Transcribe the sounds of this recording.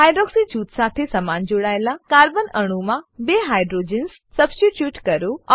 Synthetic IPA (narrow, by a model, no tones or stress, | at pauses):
ɦaːjɖɾɔːksid͡ʑuːt̪saːt̪ʰesɐmaːnd͡ʑoɽaːjlakaːɾbənɐɽ̃umãbeːɦaːjɖɾoːd͡ʑens | sɐbsʈiʈjuːʈkɐɾo